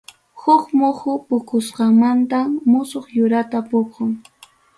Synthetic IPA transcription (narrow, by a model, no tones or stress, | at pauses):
hʊkmʊhʊpʊkʊsqɑmant̪amʊsoχjʊɾat̪apʊkʊŋ